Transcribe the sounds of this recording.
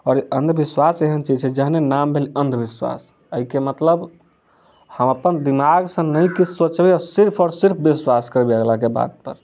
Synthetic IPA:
ɔːɾənd̪ʱbiswaseɦənt͡ʃid͡ʒt͡ʃʰɛd͡ʒəɦnenambʱeliənd̪ʱbiswa̰s | əɦikemət̪ləb | həməpənd̪imaɡsə̃nəjkit͡ʃʰsot͡ʃbeɔːɾsiɾpʰɔɾsiɾp̚ʰbiswaskəɾbeaɡlakeba̰d̪̚pə̰ɾ

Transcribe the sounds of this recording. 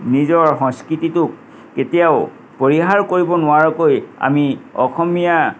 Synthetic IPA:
nizɔɹxɔ̃ŋskɹititʊkː | etijaʊ | poɹiɦaɹkoɹibɔnʊwaɹɔkoja̰miɔ̰xʰɔmija

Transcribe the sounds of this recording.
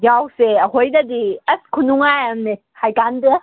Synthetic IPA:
jawseəɦojdadiɐskʰunuŋajamne | hajkandɯ

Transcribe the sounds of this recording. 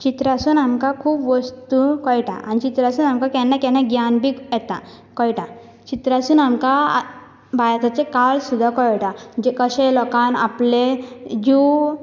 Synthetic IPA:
t͡ɕit̪ɾasuːnamkakʰuːpʋəst̪ukɔjʈa̰ʔa̰nit͡ɕit̪ɾasuːnamkakɛnːakɛ̃nãɡjanbijɛt̪a̰ | kɔjʈa | t͡ɕit̪ɾasuːnamka | bajat̪at͡ɕekalsud̪ʱːakɔjʈad͡ʑekəɕẽlɔkana̰pled͡ʑu

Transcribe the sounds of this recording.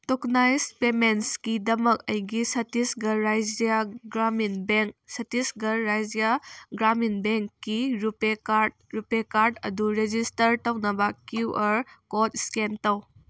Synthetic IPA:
toknajspemenskidɐmɐkɐjɡisɐtisɡɐɾajd͡ʒiaɡɾaminbeŋsɐtisɡɐːajd͡ʒijaɡɾaminbeŋkːiɾupea | ɾupekaɾdɐ̰duɾed͡ʒistɐɾtɐwnɐbɐkuʔɐɾkot̚skentɐw

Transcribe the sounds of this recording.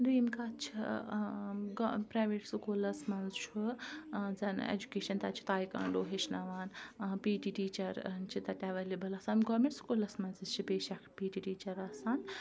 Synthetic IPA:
ɾiːmkat͡ʃʰḭ | ɡpɾajʋeʈskolɐsmɐnzt͡ʃʰu | d͡zɐn̰ḛd͡ʒukeːʃɐnt̪at͡ʃʰi̥t̪aːjka̰ɳɖoːɦeʃnaʋaːnpiʈiʈiːt͡ʃɐɾnt͡ʃʰit̪ɐt̪ʲaʋɐlebɐlɐsaːnɡɔɾmeɳʈskolɐsmɐnzɨt͡ʃʰipeːʃakʰpiːʈiʈiːt͡ʃɐɾɐsaːn

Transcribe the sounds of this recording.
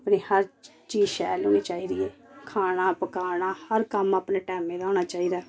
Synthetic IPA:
pniːhəɾ | t͡ʃiːzʃɛːloːiːt͡ʃaːiːd̪ɪjeːkʰaːnaːpəkaːɾnaːhəɾkəməpneːʈɛːmẽːɾaːñaːt͡ʃaːiːd̪aː

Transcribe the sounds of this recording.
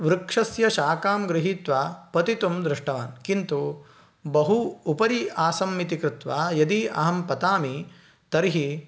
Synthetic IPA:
ʋɾukʂɐsjɐʃaːkaːmɡɾɪɦiːt̪ʋaːpɐt̪it̪umd̪ɾɪʂʈɐʋaːnkint̪u | bɐɦuːpɐɾiaːsɐmːit̪ikɾɪt̪ʋaːjɐd̪iɐ̰ɦɐmpɐt̪aːmi | t̪ɐɾiɦi

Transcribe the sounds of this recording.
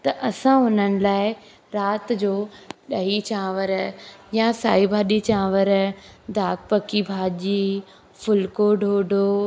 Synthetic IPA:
t̪ɐʔɐsãɦʊnənɪ̆laːɪ | ɾaːt̪d͡ʑoːɗɐɦit͡ɕãːʋəɾjãsa̰ːibʱaːɗit͡ɕãːʋəɾd̪aːk̚pɐkibʱaːʄiː | fʰʊlkoɖʱoːɖʱoː

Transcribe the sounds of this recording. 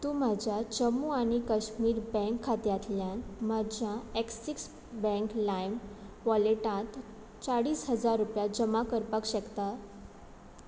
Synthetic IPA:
t̪um̤ad͡ʑʱjat͡ɕəmːuaɽ̃ikəɕmiːɾbɛ̃ŋkʰːat̪jat̪ljãnmad͡ʑʱjãeksiks | bɛ̃ŋklajm | ʋɔleʈãt̪ | t͡saɽiːsɦəd͡zaɾːupjad͡ʑəmakəɾpəkɕəkt̪a

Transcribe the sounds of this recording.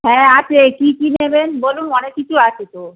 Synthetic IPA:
ɦɛ̃at͡ɕʰekikinebenbolunɔnekːit͡ɕʰuat͡ɕʰet̪o

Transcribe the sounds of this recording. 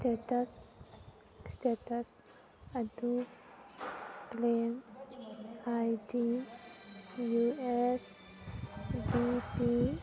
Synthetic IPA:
sʈeːʈɐs | sʈeːʈɐs | ɐd̪u | plem | aiɖi | jues | ɖipi

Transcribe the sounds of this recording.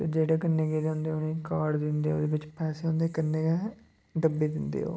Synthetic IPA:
t̪eːd͡ʒeːɽeːkənːeːɡeːd̪eɦʊ̃nd̪eːonẽːkaːɖd̪ɪnd̪eːo̰ːd̪eːbɪt͡ʃpɛːseːɦʊ̃nd̪eːkənːeːkɛ | ɖəbeːd̪ɪnd̪ḛːo̰ː

